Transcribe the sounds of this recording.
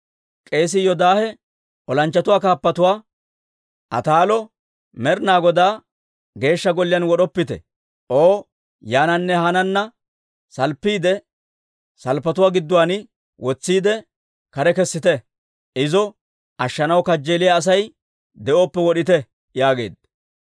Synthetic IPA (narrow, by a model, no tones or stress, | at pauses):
kʼe̞ːs̬ɪjɔd̪aːhɛ | ʔɔlɐnt͡ʃːɐt̪ʊwaːkaːpːɐt̪ʊwaː | ʔɐ̰t̪aːlɔ | mɛɾnaːɡɔd̪aː | ɡe̞ːʃːɐɡɔlːɪjɐnwɔɗɔpːɪt̪ɛ̰ | ʔoː | jaːnɐnːɛhɐnɐnːɐ | sɐlpːiːd̪ɛ | sɐlpːɐt̪ʊwaːɡɪd̪ːʊwaːnɪ | wɔt͡sːiːd̪ɛ | kɐɾɛkɛsːɪt̪ɛ | ɪzɔ | ʔɐʃːɐnɐwkɐd͡ʒːeːlɪjaːs̬ɐj | d̪ɛʔoːpːɛwɔɗɪt̪ɛ | jaːɡe̞̰ːd̪̚